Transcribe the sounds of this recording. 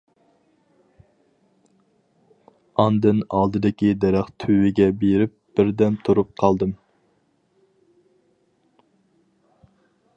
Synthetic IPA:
ɑnd̪ɨnɑlˠd̪ɨd̪ɪkʲid̪ɛɾɛχt̪ʰywɪɡʲɛbeɾɪp̚b̥ɪɾd̪ɛmt̪ʰuɾup̚qʰɑlˠd̪ɨm

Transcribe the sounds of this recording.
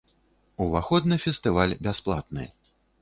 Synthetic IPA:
uvaxɔd̪nɨfʲɛst̪ɨvalʲbʲasplˠa̰t̪nɨ̰

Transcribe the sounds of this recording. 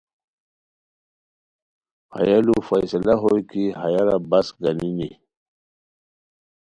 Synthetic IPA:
ha̰jalufajsalaɦojkiɦajaɾabasɡanini

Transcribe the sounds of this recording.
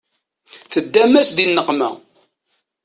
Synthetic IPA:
θəd̪ːæmæsd̪inːəqmæ̰

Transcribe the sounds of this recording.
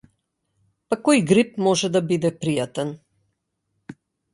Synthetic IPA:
pakɔjɡɾipmɔʒɛd̪abid̪ɛpɾijat̪ɛn

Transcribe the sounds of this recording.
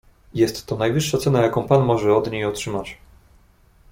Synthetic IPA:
jɛst̪ːɔnajvɘʂːat̪sɛnajakɔ̃w̃panmɔʐɛɔd̪ɲejɔtʂɘmat͡ɕ

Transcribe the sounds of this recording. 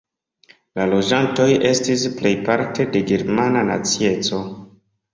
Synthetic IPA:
lalo̞d͡ʒanto̞jʔe̞stisple̞jpaɾte̞de̞ɡe̞ɾmananat͡sie̞t͡so̞

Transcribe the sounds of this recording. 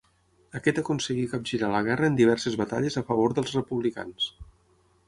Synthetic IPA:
əkɛt̪əkunsəɣikap̚ʒiɾaləɣ̞ɛrəːnd̪iβɛɾsəzβət̪a̰ʎəzəfəβ̞oɾðəlˠzrəpuβlika̰ns

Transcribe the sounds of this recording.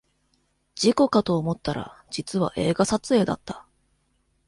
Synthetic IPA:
d͡ʑiko̞kat̪o̞ːmo̞t̪ːaɾa̰d͡ʑit͡sɨβa̰ʔe̞ːɡasat͡sɨe̞ːd̪a̰t̪ːḁ

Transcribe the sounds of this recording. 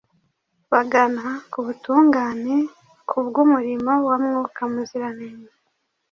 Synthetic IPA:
βaɡanakuβutuːŋɡaːne̞ | kʰuβɡumuɾimawamŋuːkamuziɾaneɲa

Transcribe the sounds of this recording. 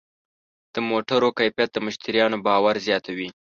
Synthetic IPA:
d̪̥əmoʈaɾokajfjat̪̚d̪əmʊʃt̪iɾjɑnobɑwaɾzjɑt̪awi

